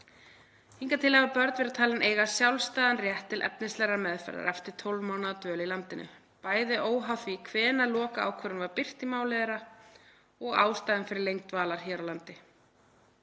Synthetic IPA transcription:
hiŋkat̪ʰɪlhɛvapœɾt̪vɪɾɪt̪ʰaːlɪnʔeːjɣasjawlst̪aːðanrjɛht̪ʰːɪlʔɛ̰p̚nɪst̪lɛɾamɛðfɛ̰ɾa̰ɾʔaft̪ɪɾ̥t̪ʰolvmaːwnaðat̪œːlilant̪ɪnʔʏ̰ | paːjðɪʔoːwɦawθvikʰvɛːnalɔːkaa̰ːwkʰvɛːɾʏnvaɾpɪr̥t̪imaːwlɛðɛɾa | ɔɣa̰ːwst̪aːjðɪnfɪɾɪɾlejŋk̚t̪vaːlaɾ̥çɛːɾawlant̪ɪ

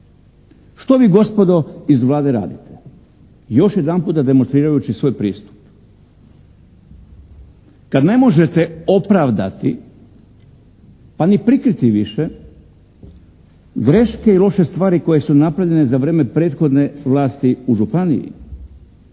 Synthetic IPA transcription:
ʃt̪o̞ʋiːɡo̞spo̞d̪o̞izʋlˠaːd̪e̞ɾa̰ːd̪it̪ʰe | jo̞ʃje̞d̪anpuːt̪ad̪e̞monst̪ɾiːɾajut͡ɕisʋo̞ːjpɾḭːst̪u̥p | kad̪ne̞mo̞ʒe̞t̪eo̞pɾaʋd̪a̰t̪ḭ | panipɾikɾit̪iʋiʃe | ɡɾe̞ʃke̞ilˠo̞ʃe̞st̪ʋaːɾiko̞je̞sunapɾaʋʎe̞nezaʋɾe̞ːme̞pɾeːt̪xo̞d̪ne̞ʋlˠaːst̪iuʒupanḭjḭ

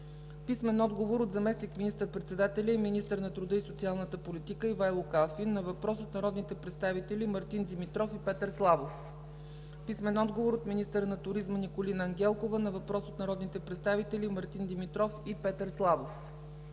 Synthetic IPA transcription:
pismɛnɔd̪ɡovoɾot̪zɐmɛsnikminist̪əɾpɾɛt̪sɛd̪at̪ɛlʲəiminist̪əɾnɐt̪ɾʊd̪ɤisot̪sialˠnət̪əpolit̪ikəivajlˠokalˠfinːɐvɐpɾɔsot̪nɐɾɔd̪nit̪ɛpɾɛt̪st̪avit̪ɛlimɐɾt̪ind̪imit̪ɾɔfipɛt̪əɾslˠavof | pismɛnɔd̪ɡovoɾot̪minist̪əɾənɐt̪ʊɾizmənikolinəːŋɡʲɛlˠkovənɐvɐpɾɔsot̪nɐɾɔd̪nit̪ɛpɾɛt̪st̪avit̪ɛlimɐɾt̪ind̪imit̪ɾɔfipɛt̪əɾslˠavof

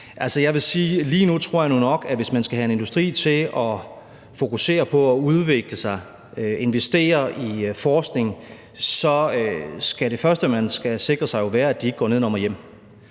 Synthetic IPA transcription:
ʔælsəjɑ̈ɪʋe̝siːliːnut͡sʰʁo̝ɐ̰jɑ̈nunɒ̽ɡ̥æʋe̝smænsɡ̥æɦæe̝ne̝nd̥usd̥ʁḭːt͡sʰe̝lɒ | fo̝kuse̝̰ːɐpʰɒ̽ɒuð̞ˠʋeɡ̥ləsɑ̈ɪ | øe̝nʋesd̥e̝̰ːɐʔifɒːsɡ̥ne̝ŋ | sɒ̽øsɡ̥æɾe̝fɶɐsd̥əmænsɡ̥æse̝ɡ̥ʁɐsɑ̈ɪjo̝ʋæːɐæd̥ieɡ̥ɡ̥ɒ̰ːne̝ð̰ˠnɒmɐjem̰

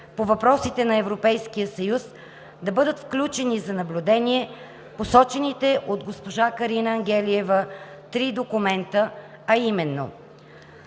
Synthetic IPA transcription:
povɐpɾɔsit̪ɛnɐɛvɾopɛjskijəsɐjus | d̪ɐbɤd̪ət̪fklʲut͡ʃɛnizɐnɐblʲud̪ɛnʲiɛ | posɔt͡ʃɛnit̪ɛʔod̪ɡospoʒakɐɾinəɐŋɡʲɛliɛvət̪ɾid̪okumɛnt̪ə | ɐimɛnːo̰

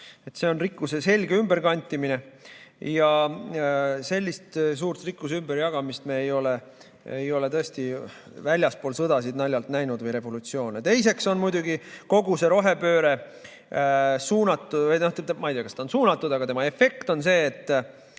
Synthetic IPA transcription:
e̞t̪se̞o̞nrikːˑusese̞lʲɡeymb̥e̞ɾkɑnʲt̪ʲːˑimine̞jɑ | se̞lʲːist̪s̬uːrt̪rikːˑuseymbeɾjɑɡ̥ɑmist̪meːejo̞le | ejo̞le̞t̪ɤest̪i | vælʲjɑspo̞ːlsɤd̪ɑsid̪̥nɑlʲjɑlt̪næjnud̪vɤjɾe̞vo̞lut̪sio̞ːnet̪e̞jse̞kso̞nmujd̪uɡiko̞ɡuse̞ɾo̞ɦe̞pø̞ːɾe̞ | suːnɑt̪ːˑuj̪not̪et̪mɑjd̪eɑkɑsd̪ɑonsuːnɑt̪ːˑud̪ɑɡɑt̪e̞mɑe̞fe̞kt̪o̞nse̞ːt̪ˑː

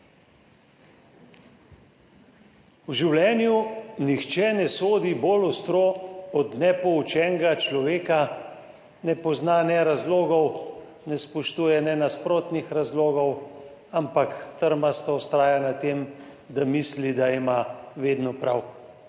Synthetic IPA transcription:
wʒiwljɛːnjunixt͡ʃɛnɛsoːd̪ibolɔst̪ɾoɔd̪nɛpɔut͡ʃɛːŋɡat͡ʃlɔʋeːka | nɛpɔznanɛɾazloːɡɔw | nɛspɔʃt̪uːjɛnɛnaspɾoːt̪nixɾazloːɡɔw | ampakt̪əɾmast̪awst̪ɾaːjanat̪em | d̪amislid̪aimaʋeːd̪nɔpɾaw

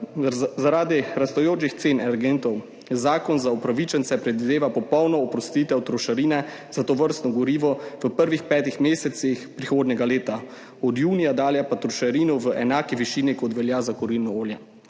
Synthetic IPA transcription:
zaɾaːd̪iɾast̪ɔjoːt͡ʃixt̪seːnɛɾɡeːnt̪ɔw | zaːkɔnzaupɾaʋit͡ʃɛnt̪sɛpɾɛd̪ʋid̪eːʋapɔpɔwnɔːpɾɔst̪iːt̪ɛɔt̪ɾɔʃaɾiːnɛ | zat̪ɔʋəɾst̪nɔɡɔɾiːʋɔʋəpəɾʋixpɛːt̪ixmeːsɛt̪sixpɾixoːd̪nʲɛɡaleːt̪a | ɔd̪juːnijad̪aːljapat̪ɾɔʃaɾiːnɔʋəʔɛnaːkiʋiʃiːnikɔt̪ʋɛljazakɔɾilnɔoːlja

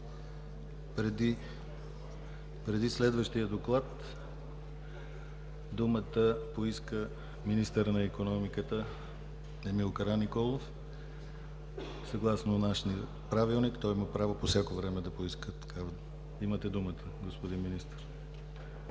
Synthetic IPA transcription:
pɾɛd̪i | pɾɛd̪islɛd̪vəʃt̪iəd̪oklˠat̪ | d̪umət̪əpoiskə | minist̪əɾnɐikonɔmikət̪ə | ɛmilˠkɐɾanːikɔlˠof | sɐɡlˠasnonaʃniə | pɾavilˠnikt̪ɔjiməpɾavoposʲjakovɾɛmɛd̪ɐpoiskət̪ɐ̥kav | imət̪ɛd̪umət̪ʰəɡospod̪inminist̪əɾ

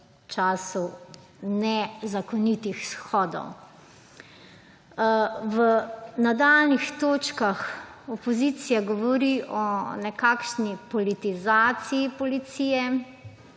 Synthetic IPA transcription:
t͡ʃaːsu | nɛzakɔnit̪ixsxɔːd̪ɔ̰w | wənad̪alnixt̪oːt͡ʃkaxɔpɔzit̪sijaɡɔʋɔɾiʔɔnɛkakʃnipɔlit̪izaːt̪siːpɔlit̪sijɛ

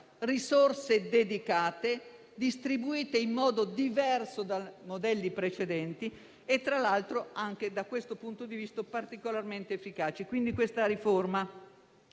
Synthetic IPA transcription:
risorsed̪ed̪ikaːt̪e | d̪ist̪ɾibuiːt̪eimːɔːd̪od̪ivɛrsod̪amod̪ɛlːipɾet͡ʃed̪ɛnt̪i | et̪ːɾalalt̪ɾoaŋk̟ed̪akwest̪opunt̪od̪ivist̪opart̪ikolarment̪eːfːikaːt͡ʃekwind̪ikwest̪aɾiforma

